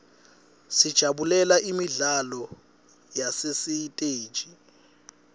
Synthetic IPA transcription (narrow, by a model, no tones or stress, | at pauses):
sid̥ʒ̥ʱaɓulɛlaʔimiɮalɔ | jasesitʼeːd̥ʒ̥ʱi